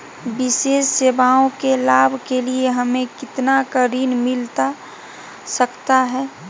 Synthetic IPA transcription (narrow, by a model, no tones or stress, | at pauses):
bɪseːsːeːbaõkelaːbʱkelieɦəmẽkɪt̪nakəɾiːnmɪlt̪a | səkt̪aɦɛː